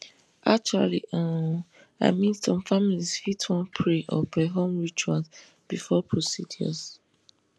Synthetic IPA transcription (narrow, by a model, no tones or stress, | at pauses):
ʔa̰k̚t͡ʃualḭã | a̰ɪmĩnsɔ̃mfamilisfitʰwɔ̃npʰɹeʔɔ̰pʰɹeɦõmɹit͡ʃuãns | b̥ifɔpʰɹosidiɔ̰s